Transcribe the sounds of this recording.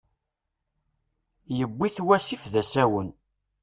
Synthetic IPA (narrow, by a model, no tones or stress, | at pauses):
jəbːiθwæsifðæsæwən